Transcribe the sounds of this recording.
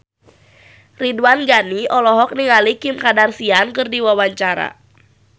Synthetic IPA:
riduanɡaniʔɔlɔɦɔk̚niŋalikimkadarsiankɨrdiwawaɲt͡ʃaɾa̰

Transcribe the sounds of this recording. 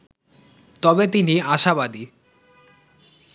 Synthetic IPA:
t̪ɔbet̪̬iniaʃaβad̪i

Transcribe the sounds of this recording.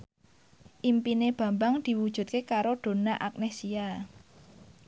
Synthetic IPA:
ʔimpineb̥ä̤mbaŋd̪̥i̤wud̥ʒ̥ṳt̪̚kekaɾoɖ̪̥o̤naʔak̚nesia

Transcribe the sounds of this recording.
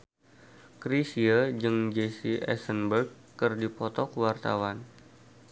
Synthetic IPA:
kɾisiad͡ʒɨŋd͡ʒesiʔɛ̰sənbərkːərdipɔt̪ɔkwart̪a̰wan

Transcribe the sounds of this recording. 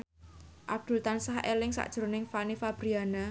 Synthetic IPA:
ʔab̥̚d̪̥ʊ̤lt̪ansahḛlɪŋsa̰ʔd̥ʒ̥ɾonɪŋfanifab̥ɾiana

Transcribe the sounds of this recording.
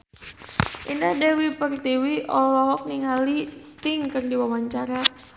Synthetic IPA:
ʔindadɛwipərt̪iwiʔɔlɔɦɔk̚niŋalist̪ɪŋkɨrdiwawaɲt͡ʃaɾa

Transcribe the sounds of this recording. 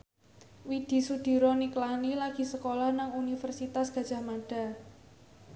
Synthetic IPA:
wid̪̥i̤sud̪̥i̤ɾɔniklanilaɡ̥i̤səkolahnaŋunifərsit̪asɡ̥a̤d̥ʒ̥a̤hmaɖ̥a̤

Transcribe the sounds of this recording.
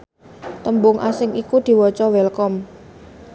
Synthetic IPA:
t̪əmbʊŋʔasɪŋikud̪̥i̤wɔt͡ʃɔwɛlkɔm

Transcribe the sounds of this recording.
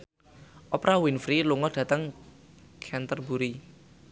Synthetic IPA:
ʔɔpɾʔawinfɾiluŋɔd̥ä̤t̪əŋ | kʰɛnt̪ərbuɾi

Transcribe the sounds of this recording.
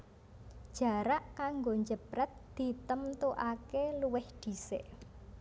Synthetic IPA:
d̥ʒ̥a̤ɾaʔkaŋɡoɲd͡ʒəpɾɛt̪̚d̪̥i̤t̪əmt̪uʔakeluwɪhd̪̥i̤sḛʔ

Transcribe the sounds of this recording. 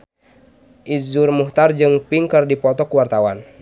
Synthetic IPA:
ʔizurmuht̪ard͡ʒɨŋpiŋkərdipɔt̪ɔkuwart̪awan

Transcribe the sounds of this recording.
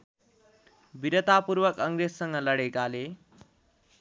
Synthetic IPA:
biɾʌt̪apuɾbʌkʌŋɾesːʌŋɡʌlʌɽekale

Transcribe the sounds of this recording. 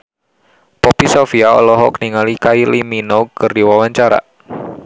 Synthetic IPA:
pɔpisɔfiaɔ̰lɔɦɔkəniŋalikailiminɔkərdiwawaɲt͡ʃaɾa̰

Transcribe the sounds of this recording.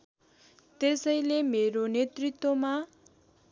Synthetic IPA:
t̪esʌjlemeɾonet̪rit̪ːwoma

